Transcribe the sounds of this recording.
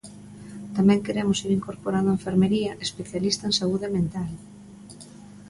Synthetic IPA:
t̪amɛ̃ŋkeɾemʊsiɾiŋkoɾpoɾand̪ʊeɱfeɾmeɾiɐʔespeθjalist̪ɐensauðemẽnt̪al

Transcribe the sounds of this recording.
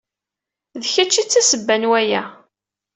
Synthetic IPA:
ðçæt͡ʃːit͡sːæsəbːænwæjæ

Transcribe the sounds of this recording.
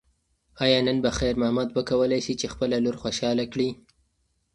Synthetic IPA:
ɑjɑnənbaxajɾmahmad̪bakawəlajʃit͡ʃexpəlaloɾxoʃɑlakɽi

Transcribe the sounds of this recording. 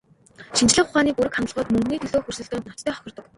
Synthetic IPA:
ʃint͡ɕɮɘ̆χʊχaːniːpuɾɘ̆kχant̪ə̆ɮʁɔːt̪mɵŋɡniːt̪ʰɵɮoːxɵrsɵ̆ɮt̪ɵ̆ːnɔ̥t͡ɕt̪ʰæːχɔxʲɪ̆rt̪ɞ̆k

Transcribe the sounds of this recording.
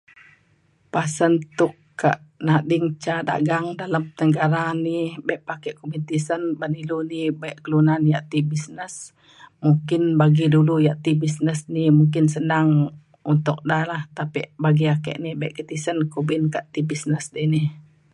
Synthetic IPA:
pasənt̪ʊʔ | kːa̰ʔnadɪŋt͡ʃada̰ʔɡaŋdaləmt̪əŋɡaɾanibɛʔpakɛʔkubint̪isənbanilunibaɛʔkəlunanjaʔt̪ibisnəs | mukɪnbaɡidulujaʔt̪ibisnəsnimuŋkɪnsənaŋ | unt̪ʊk̚dalaht̪apiʔbaɡiakə̰ʔnibaʔkət̪isənkubɪnkaʔt̪ibisnəsdinih

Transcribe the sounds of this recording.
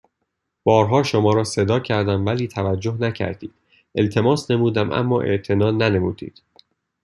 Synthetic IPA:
b̥ɒːɾɦɒːʃo̞mɒːɾɒːse̞d̪ɒːcʰæɾd̪æmvæliːt̪ʰævæd͡ʒːohnæcʰæ̰ɾd̪iːd̪̥ | e̞lt̪ʰe̞mɒːsne̞muːd̪æmʔæ̰mːɒ̰ːʔe̞̰ʔt̪ʰe̞nɒːnæne̞muːd̪̥ḭːd̪̥

